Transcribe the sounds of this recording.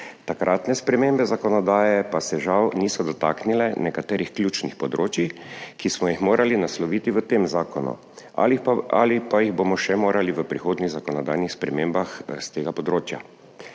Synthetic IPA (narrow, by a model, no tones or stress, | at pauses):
t̪akɾʔaːt̪nɛspɾɛmembɛzakɔnɔd̪aːjɛpasɛʒawniːsɔd̪ɔt̪aːknilɛnɛkat̪ɛːɾixklʲjuːt͡ʃnixpɔd̪ɾoːt͡ʃikismɔjixmoːɾʔalinaslɔʋiːt̪iʋət̪eːmzaːkɔnṵ | ala̰lipajiɣboːmɔʃɛmoːɾaliʋəpɾixoːd̪niɣzakɔnɔd̪ajnixspɾɛmeːmbaxst̪eːɡapɔd̪ɾoːt͡ʃja̰